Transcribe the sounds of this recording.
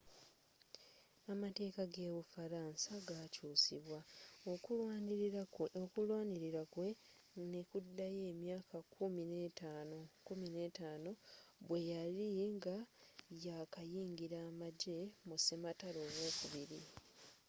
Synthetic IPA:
amate̞ːkaɡeːβufaɾansaɡacuːsiβwao | okulwaːniɾiɾakwe | nekudːaje̞ːmjaːkakuminetanokumine̞taːno̞βwe̞jaliŋɡajakajiːŋɟiɾaːmaɟe̞musemataloːwo̞ːkuβiɾi

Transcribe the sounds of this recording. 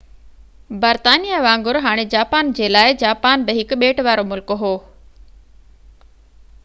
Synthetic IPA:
bəɾt̪aːnijaʋãːŋɡʊɾɦaːɽ̃ed͡ʑaːpaːnd͡ʑeːlaːɪd͡ʑaːpaːnbɪɦɪkʊɓeːʈʋaːɾomʊlkɦoː

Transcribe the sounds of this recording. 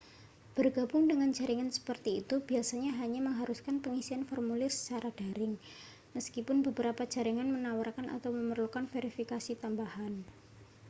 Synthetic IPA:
b̥ərɡ̥a̤bʊŋdəŋand͡ʒa̤ɾiŋansə̥pərt̪iːt̪ub̥iasaɲaɦaɲaməŋɦaɾuskanpəŋisianfɔrmulɪrsə̥t͡ʃaɾad̥a̤ɾɪŋ | məskipʊnbəbəɾapḁd͡ʒ̥a̤ɾiŋanmənawarkanʔa̰t̪awməmərlukanfeɾifikasit̪ambahan

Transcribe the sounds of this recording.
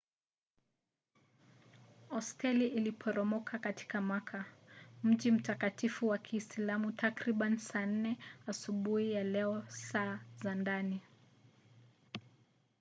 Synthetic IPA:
ɔstʰɛliʔilipʰɔɾɔmɔkʰakati̥kamwakʰam̩ʄim̩takatifuwakʰisilamutʰakɾiɓansaːn̩nɛasuɓuijalɛɔsaːzandani

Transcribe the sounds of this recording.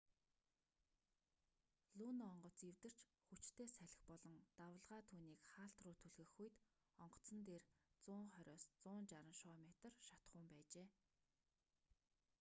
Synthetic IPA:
ɮuːnɔɴɢɞ̆t͡siwt̪ɘ̆r̥t͡ɕ | xut͡ɕt̪ʰeːsæɮʲɪ̆xpɔɮɞ̆ŋt̪awə̆ɮʁaːt̪ʰuːniːkχaːɬt̪rʊːt̪ʰuɮɣɘ̆xuj̆t̪ | ɔɴɢɞ̥̆t͡sə̆nt̪eːrt͡sʊːɴχœɾʲɔːst͡sʊːnt͡ɕaɾə̆nʃɔːmʲet̪ə̆rʃat̪χʊːmpæːt͡ɕeː

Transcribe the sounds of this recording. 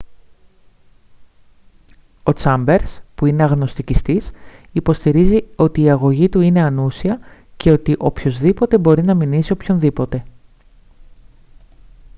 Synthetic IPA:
o̞t͡sɐmbe̞ɾspuine̞ɐɣno̞st̪icist̪isipo̞st̪iɾizio̞t̪iːɐɣo̞ʝit̪uine̞ɐnusiɐ | ce̞o̞t̪iʔo̞pço̞zðipo̞t̪e̞bo̞ɾinɐminisio̞pço̞nðipo̞t̪e̞

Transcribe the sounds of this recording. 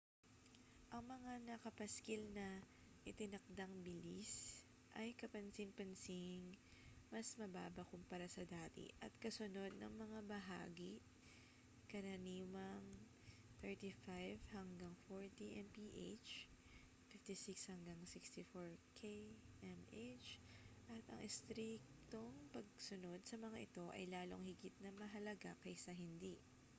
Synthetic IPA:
ʔɐŋmɐŋanɐkɐpɐskɪlnɐ | ʔɪt̪ɪnɐk̚d̪aŋbɪlis | ʔɐjkɐpɐnsɪŋpɐnsɪŋ | mɐsmɐbaːbɐkʊmpɐɾasɐd̪aːt̪ḭʔɐt̪kɐsʊno̞d̪̚nɐ̰ŋmɐŋabɐɦa̰ːɡi | kɐɾɐniːwɐŋ | t̪ɛɹt̪ifajvhɐŋɡaŋfoɹt̪iʔɛnpiʔet͡ʃ | fɪft̪isikshɐŋɡaŋsikst̪ɪfoɹkʰeʔɛmʔet͡ʃʔɐt̪ɐ̰ŋʔɪst̪ɾik̚t̪oŋpɐɡ̚sʊno̞d̪̚sɐmɐŋaʔɪt̪o̞ʔɐ̰jlaːlo̞̰ŋhɪɡɪt̪̚nɐmɐɦɐlɐɡakɐjsɐɦɪnd̪iʔ

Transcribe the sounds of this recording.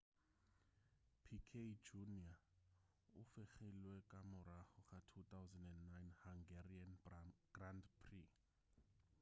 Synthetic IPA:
pʰikʰed͡ʒunia | ʊfɪχɛlwɛkʼamʊrahʊχatʰut̪awzɛndɛndːajnhaŋɡɛrianɡ̥randpʰri

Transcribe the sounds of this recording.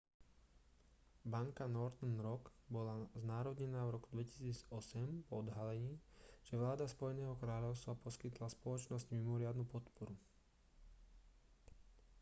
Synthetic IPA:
baŋkanɔɾt̪ɛnɾɔɡbɔlaznaːɾɔd̪ɲɛnaːvɾɔkud̪ʋɛci̥siːd͡zɔsɛmpɔd̪ɦalɛɲiːʒ̥ɛʋlaːd̪aspɔjɛnɛːɦɔkɾaːʎɔʊst̪ʋapɔskit̪laspɔlɔt͡ʃnɔzɟmimɔɾɪad̪nupɔt̪pɔɾu

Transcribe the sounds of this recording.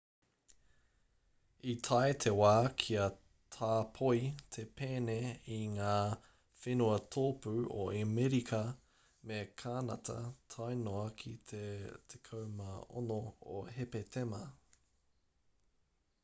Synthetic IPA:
itʰɐet̪ʰewaːkʰiɐ | tʰaːpʰoit̪ʰepeːneiŋaː | fenuɐtʰoːpʉoʔemeɾikʰɐ | mekʰaːnɐ̰tʰɐ̰tʰajnoɐkʰitʰetʰekʰɐwmɐo̰noo̰ɦepet̪ʰemɐ

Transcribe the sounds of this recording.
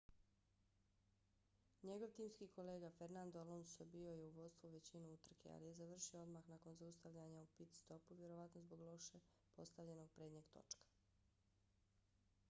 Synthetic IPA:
ɲe̞ɡo̞ʋt̪iːmskiːko̞leːɡafe̞ɾnand̪olˠonsobio̞je̞uʋo̞d̪st̪vuʋe̞t͡ɕinuut̪r̩kʰe̞̰a̰lije̞zaʋr̩ʃioo̞d̪maxnako̞nzaust̪aʋʎaɲaupit̪st̪o̞puʋje̞ɾo̞ʋat̪nozboɡlˠo̞ʃe | po̞st̪aʋʎe̞no̞ɡ̚pɾe̞ːd̪ɲeɡt̪o̞̰t͡ʃkḁ

